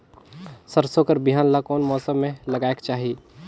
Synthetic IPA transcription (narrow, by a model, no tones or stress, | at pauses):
səɾsokəɾbiɦaːnlakɔːnmɔːsəmːẽlɐɡaːekt͡ʃaːɦi